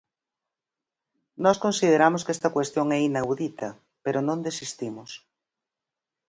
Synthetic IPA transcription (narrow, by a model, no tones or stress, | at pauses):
nɔskõnsið̞eɾamʊskɛst̪ɐkwest̪joŋɛinawðit̪ɐ | peɾonõnd̪esist̪imʊs